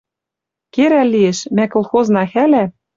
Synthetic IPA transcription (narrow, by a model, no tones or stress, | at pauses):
keɾælːieʃmækolˠxoznɑxælæ